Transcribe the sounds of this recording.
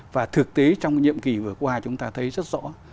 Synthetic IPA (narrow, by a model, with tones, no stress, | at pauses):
vaː˨˩t̪ʰɨ˨˩k̚t̪e˨˦t͡ɕɔ˧wŋ͡mɲḭ˧˨əmki˨˩vɨ˨˩əkwaː˧t͡ɕʊ˨˦ŋ͡mt̪aː˧t̪ʰə˨˦jzə˦˥t̚zɔ̰˧˥